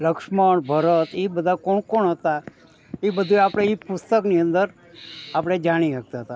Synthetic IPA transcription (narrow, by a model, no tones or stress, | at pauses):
ləkʂməɽbʱəɾət̪ibəd̪ʱakoɳkoɳɦət̪a | ibəd̪ʱuapɽ̃eipʊst̪əkniə̃nd̪əɾ | apɽ̃ed͡ʒaɽ̃iak̚t̪aɦət̪a